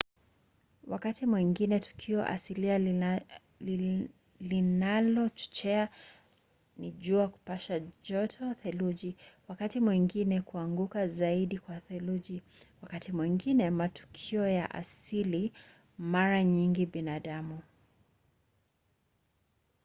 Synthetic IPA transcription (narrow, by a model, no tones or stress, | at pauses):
wakatimwiŋɡinɛtu̥kʰiɔ̰ʔa̰silia | linalɔt͡ʃɔ̥t͡ʃɛa | niʄuaku̥paʃaʄɔtʰɔθɛluʄiwakatimwiŋɡinɛkuaŋɡukazaiɗikwaθɛluʄi | wakatimwiŋɡinɛmatu̥kʰiɔjaʔa̰sili | maɾaɲiŋɡiɓinaɗamu